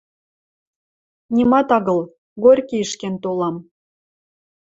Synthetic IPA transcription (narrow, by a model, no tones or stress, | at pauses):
nʲimɑt̪ɑɣɤ̆l | ɡorʲkʲiəʃkent̪olɑm